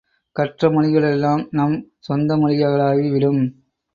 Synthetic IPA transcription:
kɐʈrɐmɐɳɪɣɐɭɛlːaːmnɐmsɔnd̪ɐmɐɻɪjɐɣɐɭaːɣiʋɪɽɯm

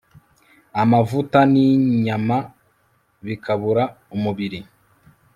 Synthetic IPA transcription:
amavutaniɲama | βikʰaβuɾa | umuβiɾi

